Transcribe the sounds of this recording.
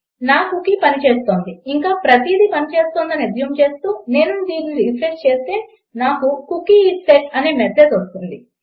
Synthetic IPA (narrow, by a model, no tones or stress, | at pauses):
naːkukipɐnit͡ʃe̞ːst̪o̞ːnd̪iiŋkaːpɾɐt̪iːd̪ipɐnit͡ʃe̞ːst̪oːnd̪ɐnid̪jɐmt͡ʃe̞ːst̪uːne̞ːnund̪iːnuipɾest͡ʃe̞ːst̪e̞ː | naːkukukːiːʈseʈɐneːmɛt̪ʰːed̪ost̪und̪i